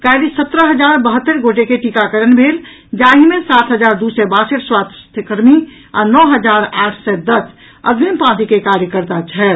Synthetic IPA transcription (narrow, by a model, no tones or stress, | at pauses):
kaːɾisət̪ɾəɦəd͡ʒaːɾbəɦət̪ːəɾɡoːʈekeʈikakəɾənbʱeːl | d͡ʒaːɦimẽsaːt̪ʰɦəd͡ʒaːɾd̪usɛbaːsəʈʰswaːt̪ʰt̪ʰəkəɾmi | a̰ːnɔːɦəd͡ʒaːɾaːʈʰsed̪əs | ə̰ɡ̪bʱimpãːt̪ikekaːɾjəkəɾt̪at͡ʃʰɛː